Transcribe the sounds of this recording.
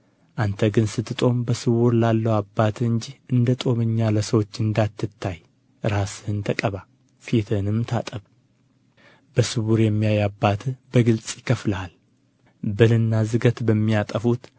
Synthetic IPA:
ʔant̪ʰəɡɨnsɨt̪ːɨt̪ʼo̞mbəsɨwuɾlalːəwabːat̪ʰɨɲd͡ʒihʔɨnd̪ət̪ʼo̞mɨɲːaləsəwo̞t͡ʃːɨnd̪at̪ːɨt̪ʰːaj | ɾasɨhɨnt̪ʰəkʼəβa | fit̪ʰɨnɨmt̪ʰa̰t̪ʼəβ | bəsɨwuɾjɛmːijajabːat̪ʰbəɡɨlt͡sʼjɪkʰəfləal | bɨlɨnːazɨɡət̪bəmːijat̪ʼəfut̪

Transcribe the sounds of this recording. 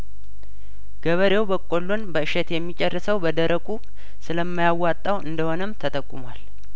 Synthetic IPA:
ɡ̥əβəɾewbəkʼolːunbəɨʃɛt̪jɛmːit͡ʃʼɛrːɨsəwbəd̪əɾəkʼu | sɨləmːajawːat̪ʼːawɨnd̪əho̞nəmt̪ʰət̪ʼəkʼːumwal

